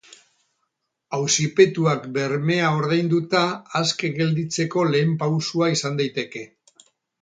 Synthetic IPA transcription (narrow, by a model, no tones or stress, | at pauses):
awsipe̞t̪uakbe̞ɾme̞ao̞ɾð̞ajnd̪ut̪aːske̞ɣe̞ld̪it͡se̞ko̞le̞ːmpawsuaisand̪ajt̪e̞ke̞